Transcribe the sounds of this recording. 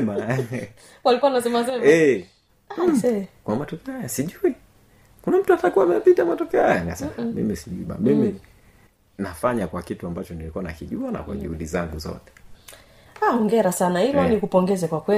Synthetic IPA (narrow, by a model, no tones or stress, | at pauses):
ma | walikuwanasɛmasɛmɛ | sɛkwamatɔkɛhajasiʄui | kunam̩tuatakuamɛjapitamatɔkɛɔhajaŋɡasamḭmisiʄuiɓa̰mimi | nafaɲakwakituambat͡ʃɔnilikuana̰kiʄuana̰kwa̰ʄṵhuɗizaŋɡuzɔ̰tɛ̥ | aɔŋɡɛɾasanahilɔnikupɔŋɡɛzɛkwakwɛ